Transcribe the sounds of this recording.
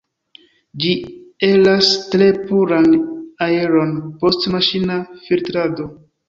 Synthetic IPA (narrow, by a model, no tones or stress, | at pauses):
d͡ʒie̞lastɾe̞puɾanae̞ɾo̞npo̞stmaʃinafiltɾado̞